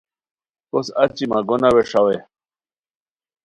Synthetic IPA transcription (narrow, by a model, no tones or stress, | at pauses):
kosɐt͡ɕimaɡonaweʂawe